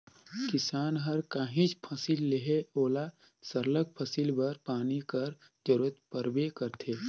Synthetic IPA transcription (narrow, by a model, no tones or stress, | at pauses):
kɪsaːnɦɐɾkaːɦĩt͡ʃpʰəsilːeɦeoːla | sɐɾlək̚pʰəsilbɐɾpaːnikəɾ | d͡ʒɐɾuːɾət̪̚pəɾbekəɾt̪ʰeː